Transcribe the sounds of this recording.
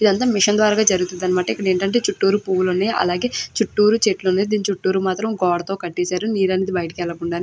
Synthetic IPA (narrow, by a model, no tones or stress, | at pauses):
id̪ɐnt̪aːmiʂɐnd̪ʋaːɾaːɡaːd͡ʒɐɾuɡut̪und̪aːnimaːʈɐikːɐɽɐe̞ːɳʈɐɳʈe̞ːt͡ʃuʈːuːɾupuːwulunːeːʔɐ̰laːɡe̞ːt͡ʃuʈːuːɾut͡ʃeːʈlunːeːd̪iːnit͡ʃuʈːuːɾumaːt̪ɾɐmɡɔːɽɐt̪o̞ːkɐʈːeːsaːɾuniːɾɐneːd̪ibɐjɐʈɐkɛɭːɐkuɳɖaːni